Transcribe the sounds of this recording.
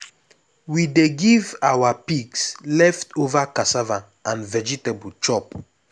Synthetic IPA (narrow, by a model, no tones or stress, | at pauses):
wideɡivawapikslɛftovakasavã | ãnvɛd͡ʒitabult͡ʃɔp